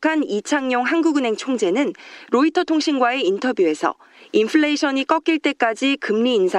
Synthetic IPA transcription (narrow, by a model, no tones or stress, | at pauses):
kʰanit͡ɕʰaŋɲoŋɦanɡuɡɯne̞ŋt͡ɕʰoŋd͡ʑe̞nɯnɾoitʰʌtʰoŋɕʰinɡwae̞intʰʌbjue̞sʰʌ̰ | inpʰɯɭeɕʰʌɲik͈ʌk͈iɭt͈e̞k͈ad͡ʑikɯmɲiːnsʰa